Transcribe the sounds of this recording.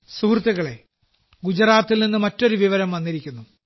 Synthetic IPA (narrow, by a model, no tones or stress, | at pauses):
surt̪ːɐɣɐɭe̞ | ɡud͡ʑɐɾaːt̪ːilninːɨmɐtːo̞ɾuʋiʋɐɾɐmʋɐnːiɾikʲːunːu